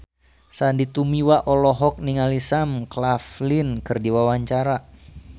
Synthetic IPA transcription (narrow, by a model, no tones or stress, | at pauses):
sandit̪umiwaʔɔlɔɦɔk̚niŋalisamklaflinkɨrdiwawaɲt͡ʃaɾa